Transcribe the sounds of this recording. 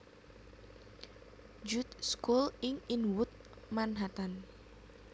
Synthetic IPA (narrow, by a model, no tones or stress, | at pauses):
d͡ʒut̪̚skulɪŋinwʊt̪̚ | manɦat̪an